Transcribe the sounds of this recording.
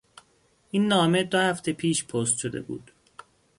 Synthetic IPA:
ʔinːɒːme̞d̪ohæft̪ʰe̞pʰiːʃpʰoːst̪ʃod̪ḛbṵːd̪̥

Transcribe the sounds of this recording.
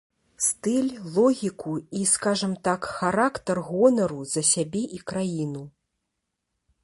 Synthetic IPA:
st̪ɨlʲlˠɔɣʲikuiskaʐɐmt̪akxaɾakt̪ɐrɣɔnɐɾuzɐsʲabʲɛʔikɾajinu

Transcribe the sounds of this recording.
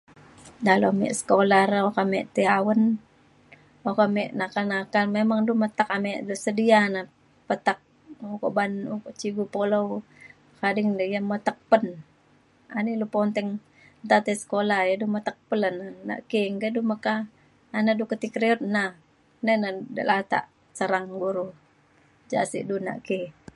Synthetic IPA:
dalomɛ̰ʔsə̥kolaraokamɛʔt̪eawən | okamɛʔnakalnakalmemaŋdumət̪akamɛʔdusədiana | pət̪ak̚ | uko̰ʔbanukoʔt͡ʃiɡupolow | kadiŋdjamət̪ək̚pən | a̰nilupont̪ɛŋ | nt̪at̪ɛsə̥kolajadumət̪ək̚pəlanana̰ʔkeŋɡaduməkaː | nadukət̪ikɾeɔt̪̚na | nənadə̰lat̪a̰ʔ | səɾaŋɡuɾu | d͡ʒa̰sḭʔduna̰ʔki

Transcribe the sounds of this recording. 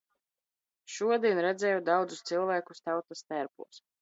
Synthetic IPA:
ʃuɔd̪iɛnɾɛd̪zɛːjud̪awd̪zust̪silˠvæːkust̪awt̪ast̪æɾpṵːs

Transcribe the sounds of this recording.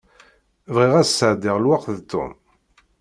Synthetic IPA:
vʁiʁæssəʕd̪iʁlwaqðt̪ːʊ̰m

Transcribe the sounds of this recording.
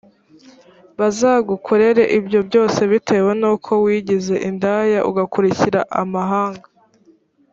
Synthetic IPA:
βazaːɡukʰuɾe̞ɾe̞ʔibjo̞bɟo̞ːse̞βite̞wenuːkʰo̞wiːɟize̞ʔindajaʔuɡakuɾiciɾaʔamaɦaːŋɡḁ

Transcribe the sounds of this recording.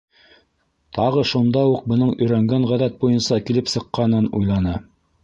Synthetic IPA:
t̪ʰɑʁɤʃund̪ɑuq̚bɤ̆nɤɴɵ̆jɾæŋɡæɴʁæðæt̪̚bujɤnsɑkilɘpsɤ̆qːɑnɤnujlˠɑnɤ

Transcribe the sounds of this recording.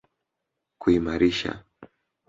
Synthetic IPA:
kuimaɾiʃa̰

